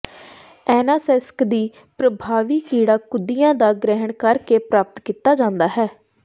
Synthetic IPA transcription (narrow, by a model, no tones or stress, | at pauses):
ɛːnaːsɛskd̪iː | pɾəbʱaːʋiːkiːɽaːkʊd̪ijãːd̪aːɡɾɛɦəɳkəɾkeːpɾaːp̚ət̪kiːt̪aːd͡ʒãːnd̪aːɦɛː